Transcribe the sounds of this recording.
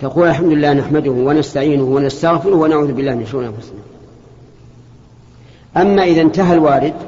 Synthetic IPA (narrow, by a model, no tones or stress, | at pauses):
t̪aquːlalħamd̪ʊlɪlːaːhnaħmad̪ʊhwanast̪aʕiːnʊhwanast̪aɣfɪɾʊhwanaʕuːðʊbɪlːaːhmɪnaʃuʔnʔanfʊsna | ʔamːaːʔɪðant̪aɦalwaːɾɪd̪